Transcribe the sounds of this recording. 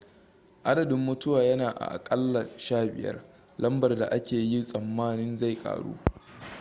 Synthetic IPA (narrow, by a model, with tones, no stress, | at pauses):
ʔa˦dɐ˨dɪ˦mːʊ˦tʊ˦waː˨jɐ˦naː˨ʔa̰˨ʔa̰˨kʼɐ˦lːa˨ʃaː˦bɪ̰˨jɐ̰˦r | lɐ˦mbɐ˨rda˨ʔa˦kʲeː˨ji˦sʼɐ˨mːaː˦nɪ˦nza˦˨jkʼa̰ː˨ɽṵː˦